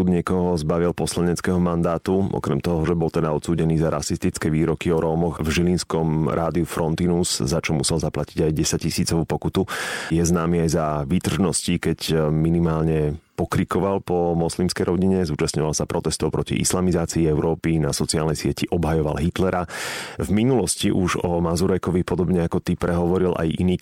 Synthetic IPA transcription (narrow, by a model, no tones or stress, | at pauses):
ud̪ɲɪɛkɔɦɔzbaʋilpɔslaɲɛt͡skɛɦɔmand̪aːt̪uɔ̰kɾɛmt̪ɔɦɔʒɛbɔlt̪ɛd̪aɔt̪t͡suːɟɛniːzaɾʔa̰sist̪it͡skɛʋiːɾɔkiɔɾɔːmɔxvʒilinskɔmɾʔaːd̪iufɾɔnt̪inuzzat͡ʃɔmusɛlzaplaciɟajɟɛsaɟcisiːt͡sɔʋuːpɔkut̪ujɛznaːmiajzaʋit̪r̩ʒnɔscikɛcminimaːlɲɛpɔkɾikɔʋalpɔmɔslimskɛjɾɔɟiɲɛzuːt͡ʃast̪ɲɔʋalsapɾɔt̪ɛst̪ɔʊpɾɔcḭʔḭslamizaːt͡siːɛʊɾɔːpinasɔt͡siaːlnɛjsɪɛciʔɔbɦajɔʋa̰lɦit̪lɛɾavminulɔsciʔuʒɔmazuɾɛkɔʋipɔd̪ɔbɲɛakɔt̪ipɾɛɦɔʋɔɾilʔa̰jʔḭniː